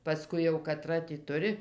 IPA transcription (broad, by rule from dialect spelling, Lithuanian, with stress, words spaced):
pɐˈskʊɪ jɛʊ kɐˈtrɐ tʲɪ ˈtʊrʲɪ